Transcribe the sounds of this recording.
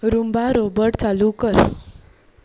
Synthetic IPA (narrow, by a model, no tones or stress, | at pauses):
ɾumbaɾobəɽt͡salukəɾ